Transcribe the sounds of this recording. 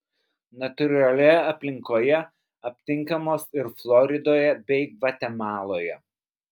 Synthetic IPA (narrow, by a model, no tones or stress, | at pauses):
nɐt̪ʊɾʲɐlʲɛɐpʲlʲɪŋkoːjɛ | ɐpʲt̪ʲɪŋˑkɐmoːsɪɾflˠɔɾʲɪd̪oːjɛbʲɛɪʋɐt̪ʲɛmɑːlˠoːjɛ